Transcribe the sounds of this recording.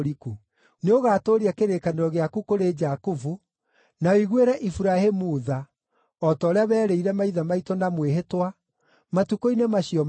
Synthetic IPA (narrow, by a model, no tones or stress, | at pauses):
ɾiku | neoɣaːtoɾiakeɾekaneɾɔɣeakukoɾed͡ʒakuvu | naɔiɣweɾɛʔifuɾahemuːða | ɔtɔːɾeaβɛːɾeiɾɛmaiðamaitɔnamweɦetwa | matukoinemaɕiɔ